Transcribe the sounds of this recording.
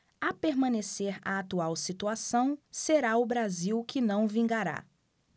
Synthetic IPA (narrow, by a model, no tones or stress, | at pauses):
apeɾmɐ̃neseɾa̰at̪uawsit̪uasɐ̃w̃seɾaʊbɾaziwkɪnɐ̃w̃vĩɡaɾa̰